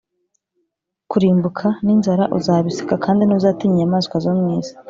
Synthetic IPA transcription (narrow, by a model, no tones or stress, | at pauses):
kuɾiːmbukʰaninzaɾaʔuzaːβisi̥kakʰaːndinuːzaːtiɲijamaːzkwazomŋiːzḁ